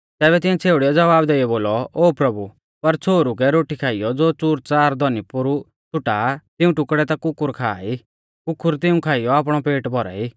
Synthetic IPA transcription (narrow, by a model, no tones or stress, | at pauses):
t̪ɛːβɛt̪ɪɛ̃t͡sʰeːʊɽiɔd͡zɐʋaːbd̪eːijɔboːlɔoːpɾɐbu | pɐɾt͡sʰoːɾuk̬ɛɾoːʈikʰaːijɔd͡zoːt͡suɾt͡saːɾd̪ɔnipʊɾu | t͡sʰʊʈat̪ɪũʈʊkɽɛt̪akʊkʊɾkʰa̰ːi | kʊkːʊɾt̪̬ɪũkʰaːɪjɔap̬ɽ̃ɔpeːʈbʱɔɾa̰iː